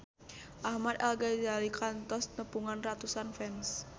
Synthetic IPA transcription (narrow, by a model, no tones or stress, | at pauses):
ʔahmad̪alɡad͡ʒalikant̪ɔsnəpuŋanrat̪usanfɛns